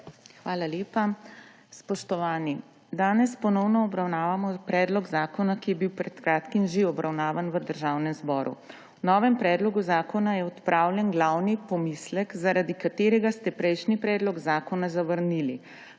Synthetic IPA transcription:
xʋaːlaleːpa | spɔʃt̪ɔʋaːni | d̪aːnɛspɔnɔwnɔːbɾawnaːʋamɔpɾɛːd̪lɔɡzaːkɔnakijɛbiwpɾɛt̪kɾaːt̪kimʒeɔbɾawnaːʋanʋəd̪əɾʒaːwnɛmzbɔːɾṵ | wnɔːʋɛmpɾɛːd̪lɔɡuzaːkɔnajɛɔt̪pɾʔaːwlʲjɛnɡlawnipɔmislɛkzaɾad̪ikat̪eːɾɛɡast̪ɛpɾɛjʃnipɾɛːd̪lɔɡzaːkɔnazaʋəɾnili

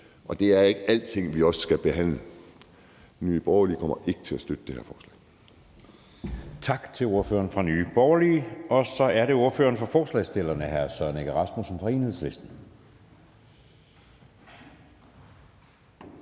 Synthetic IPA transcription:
ʔɒ̽d̥e̝æɐe̝ɡ̥æl̰d̥t͡sʰe̝ŋ̰ʋiɒ̽ssɡ̥æb̥e̝ɦæn̰lə | nyːb̥ɒʊɐlḭːkʰɒ̽m̰ɐʔe̝ɡ̥ə̥t͡sʰe̝læsd̥ød̥əd̥ehḛɐfɒːslɛ̰ɪ | t͡sʰɑ̈ɡ̥t͡sʰe̝lo̝ɐfø̰ːɐnfʁɑ̈nyːb̥ɒʊɐliːɒ̽sɒ̽æɐɾe̝o̝ɐfø̰ːɐnfɒ̽fɒːslɛɪsd̥e̝lɐnəɦæɐsɶɐneɡ̥æʁɑ̈smusɒmfɒe̝ːnhe̝sle̝sd̥n̩

